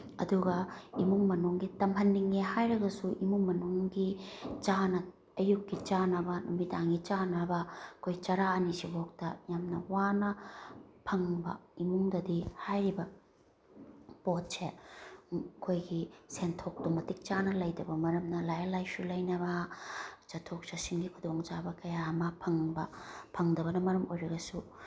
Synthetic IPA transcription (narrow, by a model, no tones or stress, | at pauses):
ɐ̰duɡɐimuŋmɐnuŋɡitɐmʰɐnːiŋːehajɾɐɡɐsuʔimuŋmɐnuŋɡit͡ʃanɐ | ɐjukːit͡ʃanɐbɐnumitaŋɡit͡ʃanɐbɐkʰojt͡ʃɐɾaɐnisibok̚tɐjamnɐwanɐpʰɐŋbɐ̰imuŋdɐdihajɾibɐ | pot̚se | kʰojɡisentʰok̚tumɐtik̚t͡ʃanɐlɐjdɐbɐmɐɾɐmnɐlajɐlajsulɐjnɐβɐ | t͡ʃɐtʰok̚t͡ʃɐsiŋɡikʰudoŋt͡ʃabɐkɐjamɐpʰɐŋbɐpʰɐŋdɐβɐnɐmɐɾɐmojɾɐɡɐsu